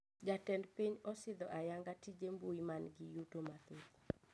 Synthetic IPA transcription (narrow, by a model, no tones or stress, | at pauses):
d͡ʒatɛndpiɲɔsɪd̪ɔʔajaŋɡatid͡ʒembuimanɡɪjutomat̪et